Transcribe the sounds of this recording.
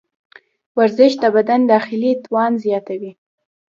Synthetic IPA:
waɾzɪʃd̪əbad̪and̪ɑxɪlit̪wɑnzjɑt̪awi

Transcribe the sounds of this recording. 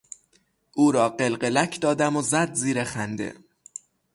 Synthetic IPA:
ʔuːɾɒːɢelɢelæcʰd̪ɒːd̪æmozæd̪ziːɾexænd̪ḛ

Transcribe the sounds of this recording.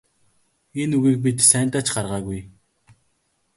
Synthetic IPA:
enuɣiːk̚p̬it̪sæːn̥ʲt̪aːt͡ɕɢarʁaːɣuj

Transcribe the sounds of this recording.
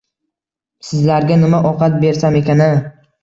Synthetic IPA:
sɪzlaɾɡʲanɪmaʔɒqɑt̪̚be̞ɾsame̞kʲana

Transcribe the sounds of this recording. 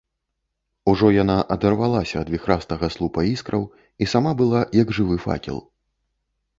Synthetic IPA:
uʐɔjanaʔɐd̪ɐrvalˠasʲɐːd̪vʲixɾast̪ɐɣɐslˠupɐiskɾɐw | isamabɨlˠajɐɡʐɨvɨfa̰kʲḭlˠ

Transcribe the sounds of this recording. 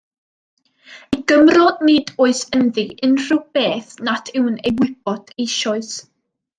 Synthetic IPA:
iɡəmrɔnɨːdoːɨsənðɨɪnr̥ɪw̚b̥eːθnatʰɪwnejwɪb̥ɔd̥ejʃɔɨs

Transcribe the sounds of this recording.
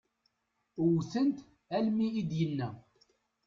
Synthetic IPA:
wθənt̪ | ælmiːd̪jənːæ

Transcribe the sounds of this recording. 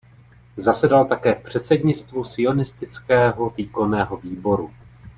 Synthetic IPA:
zasɛdalt̪akɛːfpr̝̥ɛt̪sɛdɲɪt͡st̪vusɪo̞nɪst̪ɪt͡skɛːɦo̞viːko̞nɛːɦo̞viːbo̞ɾu

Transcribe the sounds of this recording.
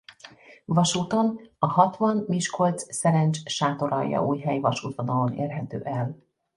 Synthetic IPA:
vɒʃuːt̪o̞nɒhɒt̪ʋɒnmiʃkʰo̞lt̪ssɛɾɛnt͡ʃʃaːt̪o̞ɾɒ̰jːɒ̰ʔuːjɦɛjvɒʃuːt̪vonɒlo̞nḛːrɦɛt̪ø̰ːʔɛl

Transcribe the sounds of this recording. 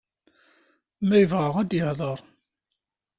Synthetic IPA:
mæjəvʁəʁæd̪jəhðˤəɾˤ

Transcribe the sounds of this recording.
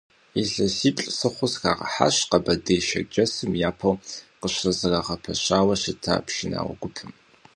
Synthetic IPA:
iɬɐsiːpʼɬʼsɨχʷʊsxa̰ːʁɐ̰ħa̰ɕqɐbɐdɐjʃɐ̰d͡ʒɐsɨmjaːpʰɐwqəɕrɐzɨraʁɐpʰɐɕaːwɐʃɪtʰa̰ːpʃina̰ːwʷɐ̰ɡʷʊpʰɨm

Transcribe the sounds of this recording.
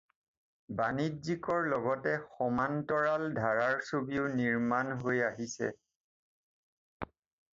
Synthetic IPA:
banidzikɔɹlɔɡɔtɛxɔmantɔɹaldʱaɹaɹsobiʊniɹmanɦojaɦisɛ̰

